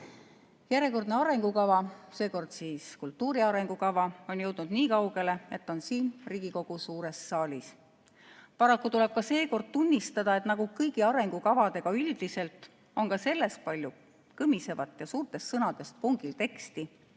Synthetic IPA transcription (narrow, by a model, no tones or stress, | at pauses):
jæɾje̞ko̞rd̪ne̞ɑɾe̞ŋɡukɑvɑse̞ːko̞rd̪̥siːskult̪ːˑuːɾiɑɾe̞ŋɡukɑvɑo̞njɤwd̪̥nud̪̥niːkɑwɡe̞le̞e̞t̪ːo̞nsiːnriːɡ̥iko̞ɡ̥usuːɾe̞sːɑːlʲis | pɑɾɑkːut̪ule̞b̥̚kɑse̞ːko̞rd̪̥̚t̪unʲːist̪ɑd̪̥ɑe̞t̪nɑɡ̥ukɤjɡ̥iɑɾe̞ŋɡ̥ukɑvɑd̪e̞ɡ̥ɑyld̪ise̞lt̪ˑ | o̞nkɑse̞lːe̞st̪̚pɑlʲju | kɤmise̞vɑt̪ːˑjɑsuːrt̪ˑe̞st̪sɤnɑd̪̥e̞st̪̚puŋɡilt̪e̞kst̪i